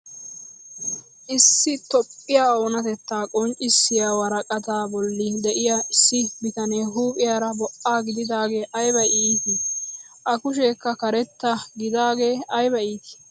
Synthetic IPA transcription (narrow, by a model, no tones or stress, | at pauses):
ʔɪsːɪt̪ɔpʼːɪjaːoːnɐt̪ɛt̪ːaːkʼɔnt͡ʃʼːɪsːɪjaːwɐɾɐkʼɐt̪aːbɔlːɪd̪ɛʔɪjɐɪsːɪbɪt̪ɐneːɦuːpʼɪjaːɾɐbɔʔːaːɡɪd̪ɪd̪aːɡe̞ːʔɐjbɐʔiːt̪ɪ | ʔɐkʊʃ̬e̞ːkːɐkɐɾɛt̪ːɐɡɪd̪aːɡe̞ːɐjbɐiːt̪ɪ̥